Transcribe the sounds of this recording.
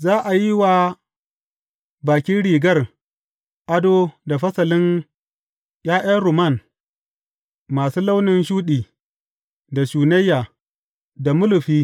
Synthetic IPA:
zaː˦ʔa˨ji˦wa˨ | baː˨kʲɪ˦nɽiː˨ɡɐ˦˨r | ʔa˦do˦da˨ɸɐ˦sɐ˨lɪ˦n | jaː˦ʔaː˦ɾʊ˨ma˦˨n | maː˨suː˦la˦wnɪ˨nʃuː˦ɗiː˨ | da˨ʃuː˨nɐ˦jːa˨ | da˨mʊ˦lʊ˨ɸiː˦

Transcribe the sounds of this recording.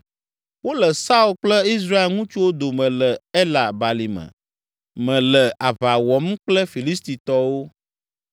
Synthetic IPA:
wo˦lə˨sa˦u˦lk͡plɛ˦i˦s̬ɾa˦e˨lŋũ˦t͡ʃu˦wo˦d̪o˨mɛ̃˨lə˨ɛ˦la˨ba˨li˨mə̰̃˨ | mɛ̃˨lə˨ʔa˨βa˨wɔ˨m˦k͡plɛ˦fi˨li˦st̪i˨t̪ɔ˨wo˦

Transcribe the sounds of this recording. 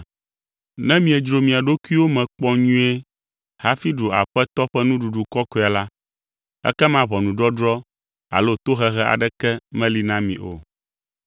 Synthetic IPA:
nɛ̃˦mĩ˨˦ɛ˨d͡ʒɾo˨mĩ˨a˨ɖo˦ku˦i˦wo˦mɛ̃˨k͡pɔ˦ɲũ˦ɛ˦ | ha˦fi˦ɖo˨a̰˨ɸɛ˦t̪ɔ˦ɸɛ˦nũ˦ɖu˨ɖu˨kɔ˦kɔ˨˦˨a˨la˦ | ɛ̰˦kɛ˦mã˦βɔ˨nũ˨ɖɔ˦ɖɾɔ˦ | a̰˨lo˦t̪o˦ɦɛ˨ɣɛ˦ʔa̰˨ɖɛ˦kɛ˦mɛ̃˦li˨nã˦mḭ̃˨ʔo̰˨

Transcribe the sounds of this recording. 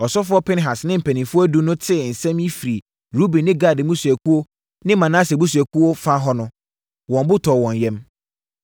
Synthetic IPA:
ɔ˨sɔ˦fʊ˦ɔ˦pʰɪ̃˦nɦa˨snɪ̃˦m̩˨pʰæ˨nĩ˨mfʊ˦ɔ˦æ˦du˦nʊ̃˦tʰɪ˦˨n̩˨sɛ̃˦mi˦fi˨ɾi˨ | ɾu˦bĩ˨nɪ̃˦ɡa˦˨dmũ˦sæ˨kʰu˦o˦ | nɪ̃˦mã˨nã˦sɛ˨bu˦s̬æ˨ku˦o˦fa˦ɦɔ˦nʊ̃˦ | wɔ̃˨mbʊ˦tʰɔ˨wɔ̃˨n˨jɛ̃˦m

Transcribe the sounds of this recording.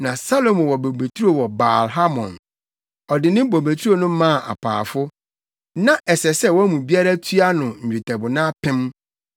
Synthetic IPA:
nã˨sa˦lo˨mʊ̃˨wɔ˨bo˨be˨tʰu˦ɾo˦wɔ˨ba̰ː˨lɦa˦mɔ̰̃˨n | ɔ˨dɪ˨nɪ̃˦bo˨me˨tʰu˦o˦˨nʊ̃˦mã˦˨ʔa̰˨pʰa̰ː˨fʊ˦ | nã˦ʔɛ˨sɛ˨sɛ˦wɔ˦mũ˨bi˦a˦ɾa˦tʰɥa˦nʊ̃˨ɲ̩˨d͡ʑᶣu˨tʰɛ˨bʊ˨nã˦pʰɪ̃˦m

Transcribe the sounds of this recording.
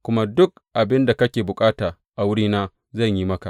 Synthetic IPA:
kʷʊ˦ma˦dʊ˦k̚ʔa˨bɪ˦nda˨kɐ˦kʲeː˨bʊ˨kʼaː˦taː˨ | ʔa˨wʊ˦ɽiː˦naː˦ | zɐ˦˨ɲjiː˦mɐ˦ka˨ʔ

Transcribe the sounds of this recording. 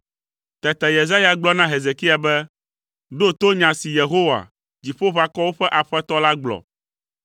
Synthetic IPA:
t̪ɛ˨t̪ɛ˨je˨za˦ja˨ɡ͡blɔ˦nã˦ɦe˨ze˨ki˦a˨bɛ˦ | ɖo˦t̪o˦ɲã˨si˨je˨ɦo˦wa̰˨ | d͡ʑi˨ɸo˦βa˨kɔ˦wo˦ɸɛ˦ʔa˨ɸɛ˦t̪ɔ˦la˦ɡ͡blɔ̰˨

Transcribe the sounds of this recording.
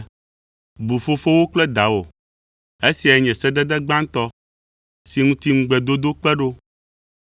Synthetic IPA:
bu˨fo˦fo˦wo˦k͡plɛ˦d̪a˨wo˨ | e˦si˨a˨ɛ˨ɲɛ̃˨sɛ˦d̪ɛ˦d̪ɛ˦ɡ͡bã˦ŋ˦t̪ɔ˦ | si˨ŋũ˦t̪i˦ŋũ˦ɡ͡bɛ˨d̪o˦d̪o˦k͡pɛ˦ɖo˦

